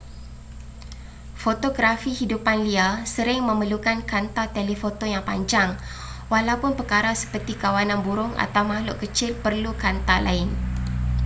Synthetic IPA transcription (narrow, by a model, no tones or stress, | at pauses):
fot̪oɡɾafihidupanliasəɾɪŋmə̃məlukankant̪at̪elifot̪ojaŋpa̰ɲd͡ʒaŋ | walaupʊnpəkaɾasə̥pərt̪ikawanãnbuɾʊŋa̰t̪awmaɦlʊʔkət͡ʃɪlpərlukant̪alʔa̰ɪn